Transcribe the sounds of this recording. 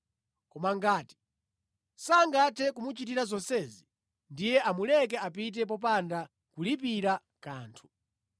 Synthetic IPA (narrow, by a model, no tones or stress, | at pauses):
kɔmaŋɡaːti̥ | saŋɡatʰɛkumut͡ʃit̬iɾazɔnsɛzi | ndijɛʔamulɛk̬ɛap̬it̬ɛp̬ɔp̬anda | kulip̬iɾa | kaːntʰu̥